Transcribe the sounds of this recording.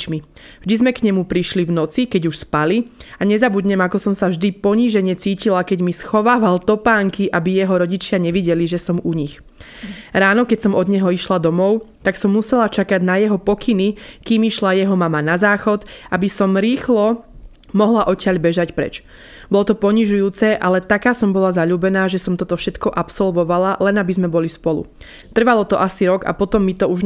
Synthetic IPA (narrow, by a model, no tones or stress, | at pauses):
t͡ʃmi | vʒd̪izmɛkɲɛmupɾiʃlivnɔt͡sikɛɟuʃspaliaɲɛzabud̪ɲɛmakɔsɔmsavʒd̪ipɔɲiːʒɛɲɛt͡siːcilakɛɟmisxɔʋaːʋalt̪ɔpaːŋkiʔabijɛɦɔɾɔɟit͡ʃɪaɲɛʋiɟɛliʒɛsɔmuɲix | ɾaːnɔkɛcsɔmɔd̪ɲɛɦɔiʃlad̪ɔmɔʊt̪aksɔmːusɛlat͡ʃakaɟnajɛɦɔpɔkʰinikiːmiʃlajɛɦɔmamanazaːxɔt̪ʔabisɔmɾiːxlɔ | mɔɦlaʔɔcɪaʎbɛʒacpɾɛ̰t͡ʃ | b̥ɔlɔt̪ɔpɔɲiʒujuːt͡sɛʔalɛt̪akaːsɔmbɔlazaʎuːbɛnaːʒɛsɔmt̪ɔt̪ɔfʃɛt̪kɔʔapsɔlʋɔʋalalɛnabizmɛbɔlispɔlṵ | t̪r̩ʋalɔt̪ɔʔasiɾɔɡa̰pɔt̪ɔmːit̪ɔuʒ